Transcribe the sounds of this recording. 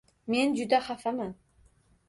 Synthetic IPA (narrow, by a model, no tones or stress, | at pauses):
me̞nd͡ʒud̪aχafaman